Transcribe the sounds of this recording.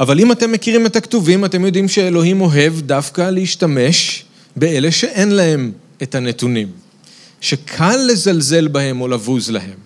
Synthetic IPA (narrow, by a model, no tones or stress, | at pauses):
ʔavalimate̞mːe̞kiʁime̞taktuvimate̞mjo̞dimʃeelo̞ɦimo̞ɦe̞vdafkaleiʃtame̞ʃ | bee̞le̞ʃe̞ʔe̞nlahe̞m | ethane̞t̪unim | ʃe̞kʰalːe̞zalze̞lbahe̞mo̞lavuzla̰he̞m